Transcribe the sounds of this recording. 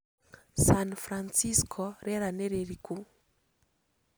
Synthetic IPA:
sanfɾansiskʰɔɾeɾaneɾeɾiku

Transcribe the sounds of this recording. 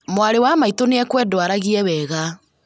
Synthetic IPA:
mwaɾewamaitoneɛkwɛdwaɾaɣiɛwɛːɣa

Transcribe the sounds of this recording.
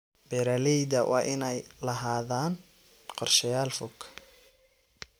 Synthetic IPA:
bɛɾalɛjd̪ɐwʔɑ̰ːʔɪnɛjlɐɦaːðaːn | qɔrʃɐjaːlfʊkʰː

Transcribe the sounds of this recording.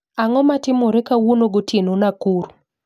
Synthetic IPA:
aŋɔmatɪmoɾɛkawunoɡotenonakuɾu

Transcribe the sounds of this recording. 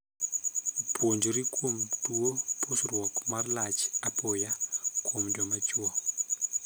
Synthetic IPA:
pʰwoɲd͡ʒoɾikʰomtuoposrwɔkmarlat͡ʃapojakomd͡ʒɔmat͡ʃwɔ

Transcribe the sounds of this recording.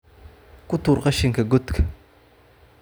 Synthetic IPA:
kʊt̪uːɾqɑʃɪŋkʰɐɡɔt̪kʰɐ̥

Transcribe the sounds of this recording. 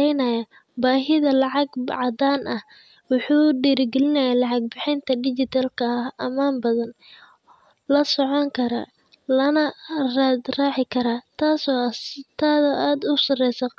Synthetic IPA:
ɛjnɐjɐ | baːɦɪðɐlɑʕɑɡʕɑd̪aːnʔɐh | wʊħuːɖiːɾɡɛlɪnɐjaːlɑʕɑɡ̚bɪħɪnt̪ʰɐɖɪt͡ʃɪt̪ʰalkʰɐhɐmaːmbɐðɐn | lɐsɔʕɔŋkʰɐɾa̰ː | lɐnɐrad̪raːʕɪkʰɐɾaːt̪ʰaːsɔt̪ʰaːðʔaːd̪ʊsɐrɛjsɐ

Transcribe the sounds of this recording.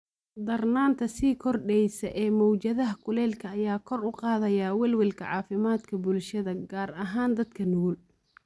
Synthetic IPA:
d̪ɐrnaːnt̪ʰɐsiːkʰɔrɖɛjsɐʔɛːmɔwt͡ʃɐðɐɦɐkʰʊlɛːlkʰɐːjaːkʰɔrʊqɑːðɐjaːwɛlwɪlkʰɐ̰ʕɑ̰ːfɪmaːd̪kʰɐbʊlʃɐðɐɡaːrɐɦaːnd̪ɐd̪kʰɐnʊɣʊl

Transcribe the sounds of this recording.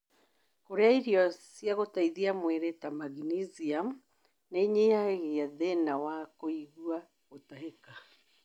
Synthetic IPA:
koɾeaiɾiɔsjaɣotaiðiamwɛɾɛtamaɣniziam | neɲehaɣeaðɛnawakoiɣua | ɣotaɦeka

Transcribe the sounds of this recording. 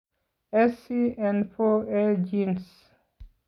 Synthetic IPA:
ɛsiɛ̃nfoɛld͡ʒĩns

